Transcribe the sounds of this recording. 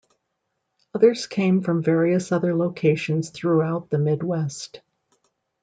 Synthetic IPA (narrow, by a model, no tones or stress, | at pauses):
ʌðə˞z̥kʰẽɪ̃ɱfɹʌ̃ɱvɛɹiɨsʌðə˞loʊkʰeɪʃɨ̃n̩z̥θɹuaʊt̪̚ðɨmɪd̚wɛst